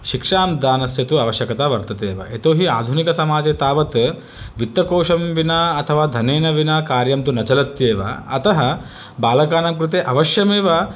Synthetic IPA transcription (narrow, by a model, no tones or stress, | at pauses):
ʃikʂaːmd̪aːnɐsjɐt̪uɐʋɐʃjɐkɐt̪aːʋɐɾt̪ɐt̪eːʋɐ̰et̪oːɦiaːd̪ʱunikɐsɐmaːd͡ʒeːt̪aːʋɐt̪ | ʋit̪ːɐkoːʂɐmʋinaːɐt̪ʰɐʋaːd̪ʱɐneːnɐʋinaːkaːɾjɐmt̪unɐt͡ʃɐlɐt̪jeːʋɐ̰ːt̪ɐɦɐ | baːlɐkaːnɐmkɾut̪̬eːʔɐʋɐʃjɐmeːʋɐ